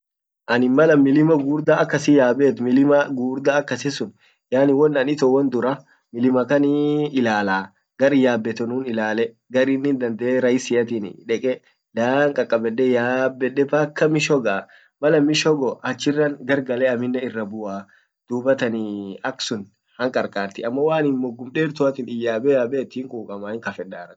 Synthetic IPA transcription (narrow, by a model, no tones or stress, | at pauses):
ʔɐnɪmɐlɐmːɪlɪmɐɡuːɾd̪aɐkːɐsɪjaːbeːt̪mɪlɪmɐɡuːɾd̪aːkːɐsɪsʊn | jaːnɪwɔnːɐnɪt̪ɔwɔnd̪ʊɾɐ | mɪlɪmɐkɐnɪɪlaːlaː | ɡ̥ɐɾɪjaːbːɛt̪ɛnuːnɪlaːlɛ | ɡɐɾinːɪnd̪ɐnd̪ɐʔeɾɐjɪsɪjɐt̪̬in̰ᶑɛkʼɛ | daːŋkʼɐkʼːɐbɛɗːɛjaːbːɛɗːɛbɐkːɐmɪʃɔɡa | mɐlɐmɪʃɔɡɔʔɐt͡ʃːɪrːɐŋɡɐɾɡɐlɛɐmɪnːɐɪrːɐbʊʔaː | d̪̥uːbɐt̪ɐnɪɐksʊn | hɐŋkʼɐɾkʼaːɾt̪ɪɐmːɐwaːnɪnmɔɡːʊmᶑeːɾt̪ʊɐt̪ɪnɪjːaːbɛaːbɛːt̪ːiːŋkʼuːkʼɐmaːɪŋkɐfɛᶑaːɾɐ̥